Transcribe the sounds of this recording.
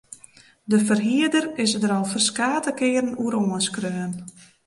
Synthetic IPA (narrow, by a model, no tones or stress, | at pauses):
dəfərɦiədərɪsədəɾɔlˠfərskaːtəkɪːəɾənuəɾoːənskrøːn